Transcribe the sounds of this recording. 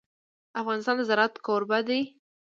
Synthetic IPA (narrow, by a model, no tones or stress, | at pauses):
afɣɑnɪst̪ɑnd̪azaɾɑt̪koɾbad̪e